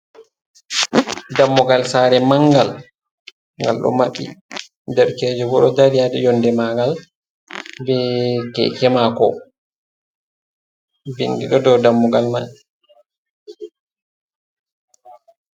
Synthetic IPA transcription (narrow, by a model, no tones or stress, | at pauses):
damːuɡalsaːɾɛmaŋɡal | ŋɡa̰lɗɔ̰maɓːḭ | dɛɾkɛːd͡ʒɔɡɔɗɔdaɾijadɛjɔndɛmaɡal | bɛkɛ̰kɛmakɔ | beŋɡiɗɔdɔwdamːuɡalma̰ɓɛ